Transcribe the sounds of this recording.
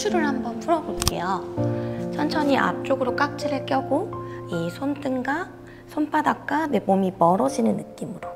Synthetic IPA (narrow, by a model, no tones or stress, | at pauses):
uɾɯɭhambʌnpʰuɾʌboɭk͈e̞jo | t͡ɕʰʌnt͡ɕʰʌɲiʔa̰p̚t͡ɕ͈oɡɯɾok͈ak̚t͡ɕ͈ʰiɾek͈jʌɡoisʰont͈ɯŋɡa | sʰonp͈ʰadak͈anemomipʌɾʌd͡ʑinɯnːɯk͈imɯɾo